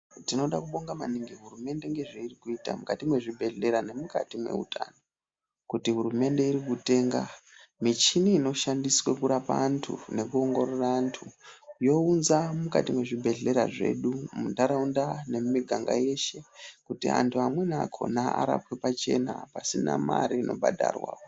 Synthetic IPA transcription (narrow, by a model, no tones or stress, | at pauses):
tino̞ɗakuɓo̞ŋɡamaniŋɡiɦuɾume̞nde̞ŋɡe̞ʐeirikuiːta̰mukatimwe̞ʐibʱe̞ɮe̞ɾane̞muka̰timwe̞̰ṵta̰no | kutiɦuɾume̞nde̞iɾikute̞ːŋɡa̰mit͡ʃiniːno̞ʃandiswekuɾapaːntʰṵne̞kuoŋɡo̞ɾoraːntʰujo̞unzamuka̰timwe̞ʐibʱe̞ɮe̞ɾa̰ʐe̞̰ɗumundaɾaundane̞mumiɡʱaŋɡa̰je̞ʃe̞kutia̰ntʰuamwe̞nakʰo̞̰naʔa̰ɾa̰pwepat͡ʃe̞na̰pasina̰ma̰ɾiːno̞̰bʱa̰dʱa̰ːrwa̰a̰